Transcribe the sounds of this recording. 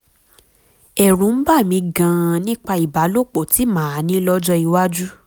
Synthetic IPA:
ɛ˨ɾũ˨˦n̩˦ba˦˨mĩ˧ɡã˧nĩ˦k͡pa˧i˨ba˨˦lo˦˨k͡po˨ti˨˦mãː˨˦˨nĩ˨˦lɔ˦d͡ʒɔ˦i˧wa˦d͡ʒu˦

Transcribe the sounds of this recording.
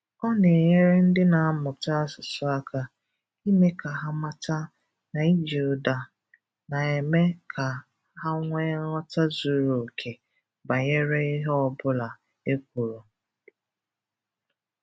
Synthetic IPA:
ɔ˦ne˨ɲe˦ɾe˦n̩˦dɪ˦na˨˦mʊ˨ta˦sʊ˨sʊ˦a˦kʰa˦ | i˦me˦ka˨ɦa˦ma˦ta˦ | na˨i˦d͡ʒu˨da˨ | na˨e˨me˦kʰa˨ | ɦa˦ŋʷe˦ŋɔ˦ta˦zu˦ɾo˨kʰe˨ | ba˨ɲe˦ɾe˦ɪ˦ɦɔ˦bʊ˦la˨ | e˦kʷu˨ɾo˨

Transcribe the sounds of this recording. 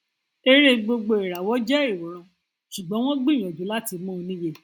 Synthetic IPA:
e˧ɾe˦ɡ͡bo˧ɡ͡bo˧e˨ɾa˨wɔ˦d͡ʒɛ˦ɾi˨o˨ɾ̃ɔ̃˨˧ | ʃu˨ɡ͡bɔ̃˦w̃ɔ̃˦ɡ͡bĩ˦˨ɔ̃˨d͡ʒũ˨˦la˦ti˧mũ˦o˧nĩ˦je˧˨

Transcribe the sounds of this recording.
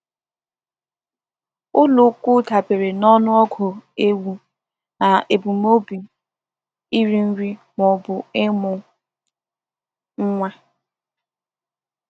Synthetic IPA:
ʊ˦lʊ˨˦kʷʊ˦ta˨pe˨ɾe˨nɔ˦nʊ˦ɔ˦ɡʰʊ˨e˦wu˨ | na˨e˨bu˨mo˦bi˨ | i˦ɾi˦n̩˦ɾi˦ | mɔ˨bʊ˨ɪ˦mʊ˨ | ŋ̩˦ŋʷe˦

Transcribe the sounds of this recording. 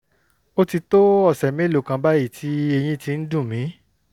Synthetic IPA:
o˦ti˧to˦ɔ˦˨sɛ˨mĩ˨˦lo˨kã˧ba˦ji˦˨tʰi˦e˧j̃ĩ˦ti˧n̩˦dũ˦˨mĩ˨˦

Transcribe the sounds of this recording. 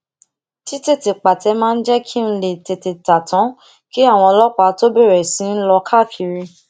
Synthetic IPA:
ti˦te˦˨te˨k͡pa˨tɛ˧˦mã˦˧n̩˦d͡ʒɛ˦kʰi˦n̩˦le˨te˨te˨ta˨tʰɔ̃˨˦ | ki˦a˦˨w̃ɔ̃˧ɔ˧lɔ˦k͡pa˨˦to˦be˦˨ɾɛ˨sĩ˨˦n̩˦lɔ˧kʰa˦˨fi˧ɾi˧

